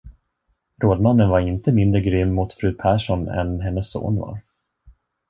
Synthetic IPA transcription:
ɾoːd̪manːənvaɾɪnt̪əmɪnd̪ɾəɡɾʏmːʊt̪fɾʉ̟ːpʰæːʂɔnɛ̰nɦɛnːəsːo̰ːnva̰ɾ

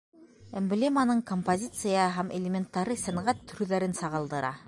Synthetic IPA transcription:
emblʲemanɤɴkompozʲit̪sɨjɑɦæmelʲemʲent̪ːɑɾɤsænʁæt̪ʰːɵ̆ɾʉðæɾɘnsɑʁɤ̆lˠd̪ɤ̆ɾɑ̰

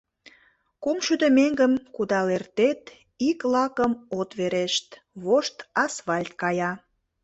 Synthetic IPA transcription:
kumʃyd̪əmeŋɡəmkud̪ɑlert̪et̪ | iklɑkəmot̪βeɾeʃt̪ | βoʃt̪ɑsβɑlʲt̪̚kɑjɑ

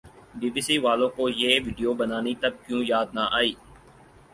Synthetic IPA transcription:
biːbiːsiʋaːlõkojeːʋiːɖijoːbənaːnit̪ɐb̚kjũːjaːd̪̚naʔaːiː

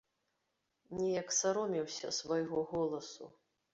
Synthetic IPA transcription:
nʲɛjɐksaɾɔmʲiwsʲɐ̰svajɣɔɣɔlˠɐsṵ

